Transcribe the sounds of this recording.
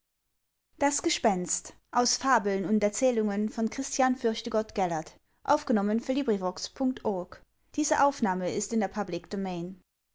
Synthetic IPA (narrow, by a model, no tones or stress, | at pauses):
d̥asɡ̥əʃpɛnstʔaʊsfaːbl̩nʊntɛɐt͡sɛːlʊŋənfɔnkʁ̥ɪstʰjaːnfʏɐçtəɡɔtɡ̥ɛlɐt | ʔa̰ʊfɡ̥ənɔmənfyːɐliːbʁivɔkspʰʊŋk̚tʰʔɔɐk | d̥iːzəʔaʊfnaːməɪstɪndeːɐpʰablɪkd̥omeɪn